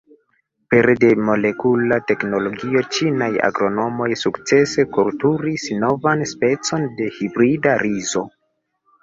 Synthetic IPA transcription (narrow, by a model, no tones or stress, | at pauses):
pe̞ɾde̞mo̞le̞kulate̞kno̞lo̞ɡio̞t͡ʃinaja̰ɡɾo̞no̞mo̞jsukt͡se̞se̞koɾtuɾisno̞vanspe̞t͡so̞nde̞hibɾidaɾizo̞